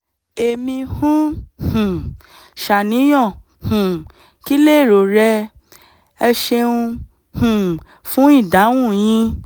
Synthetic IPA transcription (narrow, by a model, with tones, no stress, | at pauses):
e˨mĩ˧hũ˦hũ˨ | ʃa˨nĩ˨˦j̃ɔ̃˦˨ | hũ˨ | ki˦le˦˨ɾo˨ɾɛ˧ | ɛ˧ʃe˧ũ˧ | hũ˨ | fũ˦i˦˨da˨˦w̃ũ˦˨j̃ĩ˧˦